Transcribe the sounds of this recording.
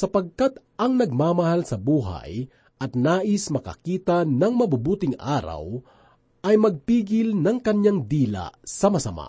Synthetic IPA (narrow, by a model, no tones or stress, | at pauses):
sɐpɐɡ̚kat̪ | ʔɐŋnɐɡ̚maːmɐhalsɐbuːɦɐ̰j | ʔɐt̪naːʔɪsmɐkɐ̰kiːt̪ɐnɐŋmɐbubuːt̪ɪŋʔaːɾɐ̰w | ʔɐjmɐɡ̚piːɡɪlnɐŋkɐɲɲaŋd̪iːla̰sɐmɐsɐma̰